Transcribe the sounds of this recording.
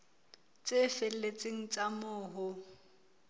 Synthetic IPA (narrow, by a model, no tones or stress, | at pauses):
t͡sʼɪfɪlet͡sʼɪŋ̩t͡sʼamʊːɦʊ